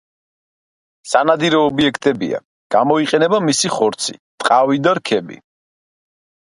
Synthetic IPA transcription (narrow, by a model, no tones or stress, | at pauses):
sanad̪iɾɛːbiɛkʰt̪ʼɛbḭa̰ | ɡ̥amɔiqʼɛnɛbamisiχɔɾt̪sʰḭt̪ʼqʼavid̪aɾkʰɛbḭ